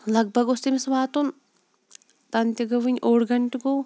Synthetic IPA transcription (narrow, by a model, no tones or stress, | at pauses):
lɐɡ̚bʱɐɡʊst̪imisɐʋaːt̪un | t̪ɐnt̪ʲjɐɡɐʋɨɲʲʔoːɽɡɐɳʈɡo